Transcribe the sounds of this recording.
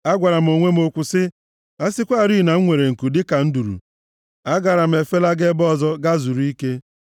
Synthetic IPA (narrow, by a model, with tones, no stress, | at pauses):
a˦ɡʷa˨ɾa˨m̩˨o˨ŋʷe˦m˦o˨kʷʊ˨sɪ˦ | a˦sɪ˦kʷa˦˨ɾi˦˨na˨ŋ̩˦ŋʷe˨ɾe˨ŋ̩˨ku˨dɪ˦ka˨n̩˦du˨ɾṵ˨ | a˦ɡa˨ɾa˨m̩˨e˨fe˦la˦ɡe˦bɔ˦˨zɔ˦ɡa˦zu˨ɾu˦i˦ke˦